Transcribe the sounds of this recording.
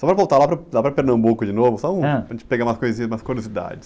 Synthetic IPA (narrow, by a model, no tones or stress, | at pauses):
sɔpɾɐvowt̪aɾlapɾɐlapɾɐpeɾnɐ̃mbukʊd͡ʒɪnovʊsɐ̃pɾɐʒẽt͡ʃɪ̥peɡaɾmajskojzĩɲɐzmajskuɾiozid̪a̰d͡ʒɪs